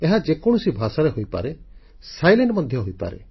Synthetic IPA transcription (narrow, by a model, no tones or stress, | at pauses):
eɦad͡ʒekɔ̃usibʱasaɾeɦojpa̰ɾe | sajleɳɖmɔd̪ʱjɔɦojpa̰ɾḛ